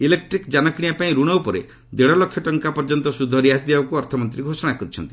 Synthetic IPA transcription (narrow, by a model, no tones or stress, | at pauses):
ilek̚ʈɾikd͡ʒanɔkɽ̃ijapaĩɾuɽ̃ɔupɔɾe | d̪eɽɔlɔkʰːjɔʈɔŋkapɔɾd͡ʒɔnt̪ɔsud̪ʱɔɾiaɦt̪ibabɔkuɔɾt̪ʰɔmɔnt̪ɾiɡʱosɔɽ̃akɔɾit͡ʃʰɔ̰nt̪i̥